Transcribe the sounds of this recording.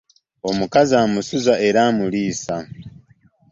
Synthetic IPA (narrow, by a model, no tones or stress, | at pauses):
omukazaːmusuzaʔeɾaːmuliːsa